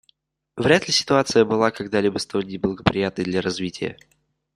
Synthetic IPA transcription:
vɾʲat̪lʲɪsʲɪ̥t̪ʊat̪sɨjəbɨlˠakɐɡd̪alʲibəst̪olʲnʲɪblˠəɡəpɾʲɪjat̪nəjd̪lʲɐɾɐzvʲitʲɪ̰jə̰

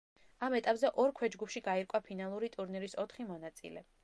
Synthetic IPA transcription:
amɛt̪ʼapʼzɛʔɔɾkʰwɛd͡ʒɡupʰʃiɡaiɾkʼwapʰinalˠuɾit̪ʼuɾniɾisɔt̪ʰχimɔnat̪sʼḭlɛ

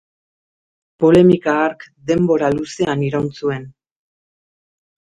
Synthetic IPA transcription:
po̞le̞mikaːɾkd̪e̞mbo̞ɾaluse̞aniɾawnt͡sue̞n

